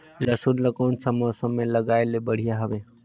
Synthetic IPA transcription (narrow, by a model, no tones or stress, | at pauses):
ləsunləkoːnt͡ʃʰəmɔːsə̃mːẽləɡaːelebəɽ̤ijaɦəʋeː